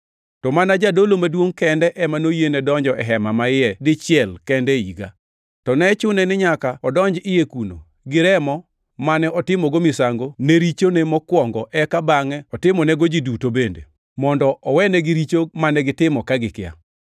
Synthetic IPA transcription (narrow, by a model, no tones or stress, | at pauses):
tɔmanad͡ʒadolomadwoŋkɛndɛʔɛmanojenɛdɔɲd͡ʒɔʔɛɦɛmamaɪɛdɪt͡ʃɪɛlkɛndɛiɡa̰ | tɔnɛt͡ʃʊnɛnɪɲakaɔdɔɲd͡ʒɪjekuno̰ | ɡɪɾɛmɔ | manɛɔtɪmɔɡomɪsaŋɡoneɾit͡ʃonemɔkwɔŋɡɔʔɛkabaŋɛɔtɪmɔnɛɡod͡ʒidutobendḛ | mɔndɔʔɔwɛnɛɡɪɾit͡ʃomanɛɡɪtɪmɔkaɡɪkɪa̰